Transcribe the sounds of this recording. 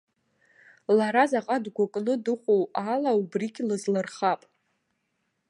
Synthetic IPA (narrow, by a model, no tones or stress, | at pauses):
laɾazaqʼadɡʷakʼnɨdɨχʷowalaubriɡʲlɨzlɨrχapʼ